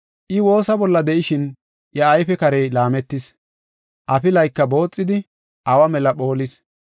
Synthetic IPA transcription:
ʔɪwo̞ːsɐbɔlːɐd̪ɛʔɪʃɪn | jɐːjfɛkɐɾeːlaːmɛt̪ːɪs | ʔɐfɪlɐjkːɐbo̞ːt͡sʼːɪd̪ɪ | ʔɐwɐmɛlɐɓo̞ːlɪs

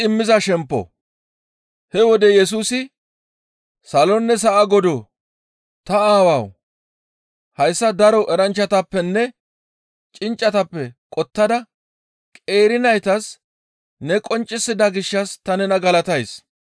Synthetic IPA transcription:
ɪmːɪzɐʃɛmpːɔ̰ | hɛwɔd̪ɛjɛs̬uːsɪ | sɐlɔnːɛs̬ɐʔɐɡɔd̪oː | t̪ɐaːwɐw | hɐjsːɐd̪ɐɾɔʔɛɾɐnt͡ʃːɐt̪ɐpːɛnːɛ | t͡ʃʼɪnt͡ʃʼːɐt̪ɐpːɛkʼɔt̪ːɐd̪ɐ | kʼe̞ːɾɪnɐjt̪ɐs | nɛkʼɔnt͡ʃʼːɪsːɪd̪ɐɡɪʃːɐst̪ɐnɛnɐɡɐlɐt̪ɐjs

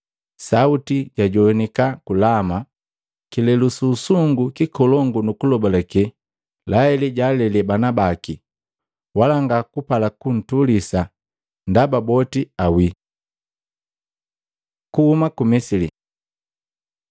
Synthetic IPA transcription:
sautiɟaɟɔnikakulama | kilɛlususuŋɡukikɔlɔŋɡunukulɔbɔlakɛ | laɛlɛɟalɛlɛbanabaki | walaŋɡakupalakun̩tulisa | ndababɔtiawi | kuhumakumisili

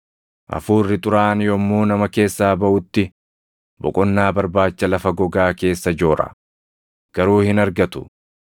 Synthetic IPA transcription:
ʔɐ̰fuːrːɪt̪ʼʊɾaːnjɔmːuːnɐmɐke̞ːsːaːbɐʔʊt̪ːɪ | bɔ̰kʼɔnːaːbɐɾbaːt͡ʃːɐlɐfɐɡɔɡaːke̞ːsːɐd͡ʒoːɾɐ̰ | ɡ̥ɐɾuːhɪnɐɾɡɐt̪ʊ̥

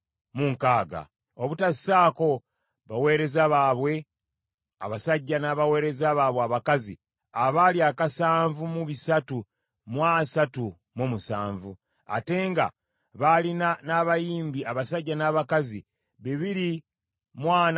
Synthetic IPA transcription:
muŋkaːɡa̰ | oβutasi̥saːko̞ | βawe̞ːɾe̞zaβaːβwe̞ | a̰βasaɟːanaβawe̞ːɾe̞zaβaːβweaβakazi | aβaliakasaːɱvumuβisatu | mwasatu | momusa̰ːɱvu | a̰te̞ːŋɡa̰ | βalinanaβajiːmbiaβasaɟːanaːβakazi | βeβiɾi | mwaːn

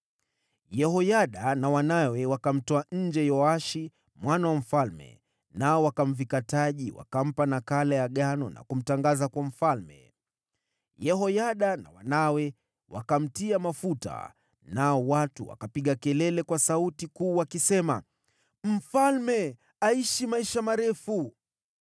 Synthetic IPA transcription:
jɛhɔjaɗanawanawɛwakam̩tɔaɲ̩d͡ʒɛjɔaʃi | mwanawam̩falmɛ̰ | naɔwakam̩vikataʄiwa̰kam̩panakalajaɠanɔna̰kum̩taŋɡazakwam̩falmɛ̰ | jɛhɔjaɗanawa̰nawɛ | wakam̩tiamafuta̰ | naɔwatuwa̰kapiɠakɛlɛlɛkwasautikuːwakisɛma | m̩falmɛ | aiʃimaiʃamaɾɛfu

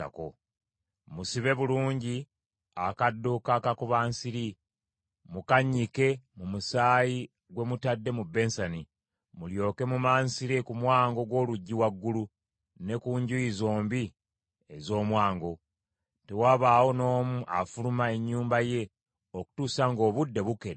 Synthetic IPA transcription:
a̰ko̰ | musiβe̞βuluːɲɟi | akadːukakakuβaːnsiɾi | mukaɲːike̞mumusaːji | ɡwe̞mutadːe̞mubːe̞nsani | muljo̞ːke̞mumaːnsiɾikumwaːŋɡo̞ɡwo̞ːluɟːiwaɡːulu | ne̞kuɲɟujizo̞ːmbi | ezo̞ːmwaːŋɡo̞ | te̞waːβaːwo̞no̞ːmuʔafulumae̞ɲːuːmbaje̞ | oku̥tuːsaŋɡo̞ːβudːe̞βuke̞ɾ

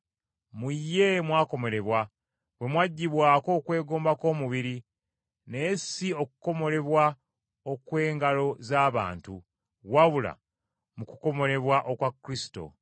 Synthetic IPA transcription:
mujːe̞mwaːko̞mo̞ɾe̞βwa | βwe̞mwaɟːiβwaːko̞ːkwe̞ːɡo̞ːmbako̞ːmuβiɾi | neːsiokuko̞mo̞ɾe̞βwa | okwe̞ːŋɡalo̞zaːβa̰ːntu | waβula̰ | mukuko̞mo̞ɾe̞βwaʔokwakːɾisi̥to̞̰

